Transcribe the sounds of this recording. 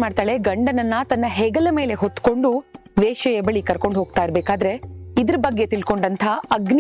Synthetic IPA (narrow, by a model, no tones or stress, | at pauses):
maːɖt̪aːɭe̞ɡɐɳɖɐnɐnːɐt̪ɐnːɐɦeɡɐlɐmeːle̞ɦot̪ːko̞ɳɖuʋeːʃɐjɐbɐɭikɐɾko̞ɳɖɦoːɡ̚t̪aːjiɾbeːkaːd̪ɐɾe̞id̪ɐɾɐbɐɡːe̞t̪ilko̞ɳɖɐnt̪ʰɐɐɡn